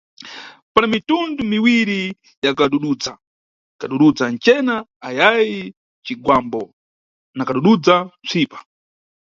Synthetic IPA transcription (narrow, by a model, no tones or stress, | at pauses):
panamitundumiwiɾi | jakaɗuɗud͡za | kaɗuɗud͡zant͡ʃɛnaajaji | t͡ʃiɡwambɔ | nakaɗuɗud͡zat͡sʷʰiːpḁ